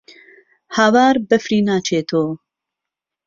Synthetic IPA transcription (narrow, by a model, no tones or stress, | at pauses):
haːwaːɾbəfɾiːnaːt͡ʃʰeːt̪ʰoː